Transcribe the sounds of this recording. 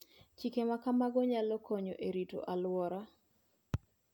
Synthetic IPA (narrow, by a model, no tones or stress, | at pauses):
t͡ʃikemakamaɡɔɲalɔkoɲoʔeɾito̰ʔalwɔɾa